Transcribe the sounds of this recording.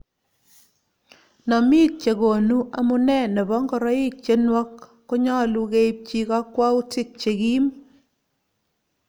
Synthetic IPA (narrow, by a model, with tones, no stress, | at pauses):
nɔ˨mɪ˦t̚t͡ʃe˨ɡo˨nu˦ʔa˨mʊ˦nɛ˦˨nɛ˨bɔ˦ŋɡɔ˨ɾɔ˦ɪ˦t̚t͡ʃe˦nwɔ˦kː | o˦ɲɔ˦˨lu˦ke˦i˦p̚t͡ʃi˦kɔ˦kwa˦u˦tɪ˦k̚t͡ʃe˨ɡi˦m